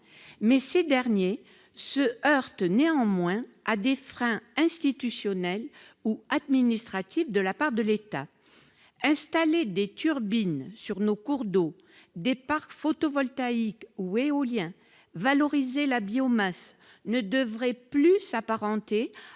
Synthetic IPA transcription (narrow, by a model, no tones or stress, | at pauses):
mɛsed̪ɛʁnje | səœʁt̪neɑ̃mwɛ̃ad̪efχɛ̃ɛ̃st̪it̪ysjɔnɛluad̪minist̪χat̪ifd̪əlapaʁd̪əlet̪a | ɛ̃st̪aled̪et̪ʰyʁbinsyʁnokuʁd̪o | d̪epaʁkfot̪ɔvɔlt̪aikueɔljɛ̃ | valɔʁizelabiɔmas | nəd̪əvʁɛplysapaʁɑ̃t̪e